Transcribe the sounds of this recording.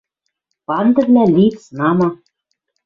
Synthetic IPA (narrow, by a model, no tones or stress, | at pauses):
pɑnd̪ɘ̆βlʲælʲit͡snɑmɑ